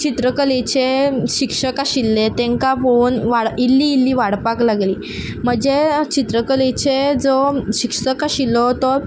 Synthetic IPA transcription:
t͡ɕit̪ɾəkəlet͡ɕeɕikʂəkaɕilːet̪ẽŋkabonʋaɽilːiːlːiːʋaɽpaklaɡliː | m̤əd͡ʑet͡ɕit̪ɾəkəlet͡ɕed͡zɔɕikʂəkaɕilːɔt̪ɔɾ

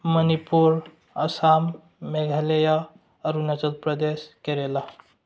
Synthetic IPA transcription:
mənipuɾ | ɐsamː | eɡʱaleja | ɐɾunɐt͡ʃɐlpɾɐd̪eskeɾela

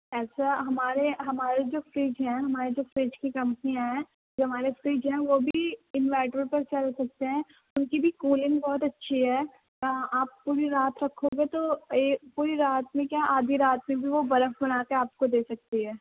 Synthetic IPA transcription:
ɛːsaɦɐmaːɾeɦɐmaːɾed͡ʒoːfɾiːd͡ʒɦɛ̃ɦɐmaːɾed͡ʒoːfɾiːd͡ʒkikɐ̃mpnijãɦɛ̃ | d͡ʒoɦɐmaːɾefɾiːd͡ʒɦɛ̃ʋoːbʱiɪnʋɛːʈəɾpɐɾt͡ʃɐlsɐk̚t̪eɦɛ̃ː | ʊnkibʱikuːlɪ̃ŋɡbɔːʊt̪ɐtːʃʰiɦɛː | aːppuːɾiɾaːt̪ɾɐkʰːoɡet̪opuːɾiɾaːt̪mẽkjaːʔaːd̪ʱiɾaːt̪mẽbʱiʋobɐɾəfbɐnaːkeaːp̚kod̪eːsɐk̚t̪iɦɛː

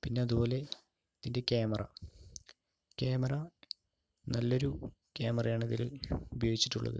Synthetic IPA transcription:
pinːeɐðubo̞ːle̞ | iðinde̞keːmɐrɐ̰ | kʲeːmɐrɐ | nɐlːo̞ɾu | keːmɐrɐjaːɳɐðilubɐjoːɡit͡ɕːi̥ʈːuɭːɐ̰ðɨ̰

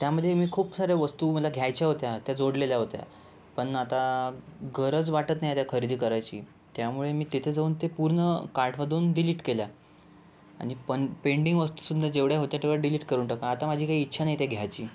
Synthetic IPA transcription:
t̪jaməd̪ʱjemiːkʰuːpsaɾjeʋəst̪uːməlaɡʱjajt͡ɕjaɦot̪jat̪jad͡zoɽleljaɦot̪ja̰ | pəɳat̪aɡəɾət͡sʋaʈət̪najat̪jakʰəɾid̪iːkəɾajt͡ɕḭː | t̪jamuɭemiːt̪it̪ʰed͡zauːnt̪epuɾɳəkaɾʈʰʋad̪ʱuːnɖiliːʈkelja | a̰ɽ̃ipəɳpeɳɖiŋɡʋəst̪uːsud̪ʱəɾd͡ʑeʋɽjaɦot̪jat̪eʋaɖiliːʈkəɾuːɳʈəkaːt̪amad͡ʑʱiːkaiːtːɕʰanajit̪eɡʱjajt͡ɕiː

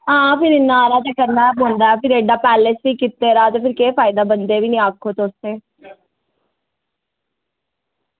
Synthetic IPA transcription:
ɦãːpʰɪɾɪnːaːɾaːt̪akəɾnabɦõːnd̪aːɛpɪɾeːɖaːpɛːlesʋiːkɪt̪ːeːɾaːt̪epʰɪɾkeːfaːɪd̪aːbənd̪eʋiːnĩaːkʰːoːt̪oːst̪eː

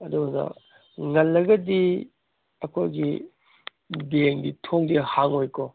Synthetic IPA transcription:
ɐdunɐ̰ | ŋɐlːɐɡɐdi | ɐkʰojɡḭ | deŋditʰoŋdihaŋojko

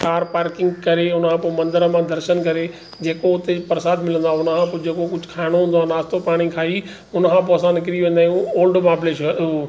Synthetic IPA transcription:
kaːɾpaːɾkɪ̃ŋɡkɐɾeʊnʰãːpomɐ̃nd̪əɾəmãd̪ʱɐɾʃənkɐɾe | d͡ʑeːkoʊt̪epɐɾsaːd̪mɪlə̃nd̪oaʊnəkʰãpod͡ʑeːkokʊd͡ʑʱkʰaːɪɽ̃oɦũːnd̪oaːnaːst̪opaːɽ̃ĩkʰaːi | ʊnəkʰãp̬ɔːsãnkɪɾiʋẽːn̆d̪aːjũoːlɖmãːbleːʃo

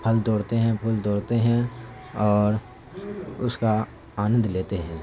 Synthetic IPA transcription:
pʰɐlt̪oːɽt̪eɦɛ̃pʰʊlt̪oːɽt̪eɦɛ̃ | ɔːɾ | ʊska | aːnə̃nd̪ʱleːt̪eɦɛ̃ː

